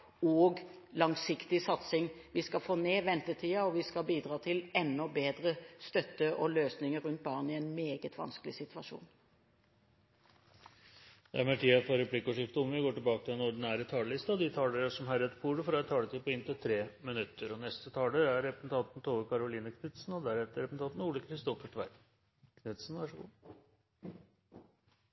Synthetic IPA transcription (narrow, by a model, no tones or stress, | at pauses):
ɔɡlɑŋsɪkt̪ɪsɑt̪sɪŋʋɪskɑfoːneːʋɛnt̪ət̪ʰiːɑɔʋɪskɑbiːd̪ɾɑːt̪ʰɪlɛnːɔbeːd̪ɾəst̪œt̪ːəʔɔløːsnɪŋəɾʉnt̪̚bɑːʁnɪɛnmeːɡət̪ʰʋɑ̰nskəlɪsɪt̪ʋɑʂṵːn | d̪ɛ̰æɾmɛʈ̪ʰiːɑfɔɾɛpʰlɪkːɔʂɪft̪ʊmənʋɪɡoːʈɪlbɑːkət̪ʰɪlɛnɔɖ̪ɪnæːɾət̪ʰɑːləlɪst̪ɑd̪ɪt̪ʰɑːləɾəʂɔmhæɾɛt̪fʰuːɖəfɾɑːɛt̪ʰːɑːlət̪iːpɔɪnt̪ʰɪt̪ʰɾeːmɪnʉt̪ːəɾɔnɛst̪ət̪ʰɑːləɾæɾːɛpɾəsn̩t̪ʰɑnt̪n̩t̪ʰoːəkʰɑɾʊliːnəkʰnʏt̪sn̩ɔd̪æɾɛt̪ːəɾɛpsn̩ɑnt̪n̩uːləkʰɾɪst̪ɔfəʈʰʋæɪ | kʰnʉt̪sn̩ʋɑʂəɡṵː